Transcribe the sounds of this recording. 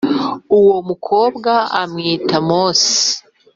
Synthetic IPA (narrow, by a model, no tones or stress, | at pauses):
uwomukʰoːbɡaamŋiːtamoːsi̥